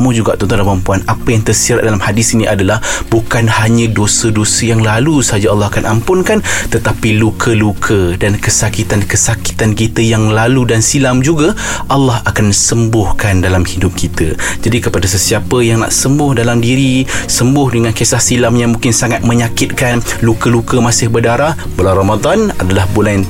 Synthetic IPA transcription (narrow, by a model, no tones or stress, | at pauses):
mud͡ʒuɡa̰ʔt̪ɔnt̪ɔnlamampuanapəjaŋt̪ərsiɾat̪̚dalamhadɪsiniʔadalahbukanhaɲə̃dosədosəjaŋlalusəɦad͡ʒaɑlːɑhakanʔampʊnkant̪ət̪apilukʰəlukʰədankəsakit̪ankəsaki̥t̪ankit̪əjaŋlaludansilamd͡ʒuɡa | ʔɑlːɑɦakansəmbʊhkandalamhidʊp̚kʰit̪ə̰d͡ʒadikəpadas̬əsiapəjaŋna̰ʔsəmbʊhdalamdiɾisəmbʊhdəŋankesahsilamjamũŋkɪnsaŋat̪̚mə̃ɲakɪt̪̚kanlukəlukəmasɪhbərdaɾahbolaɾamad̪anadalahbolan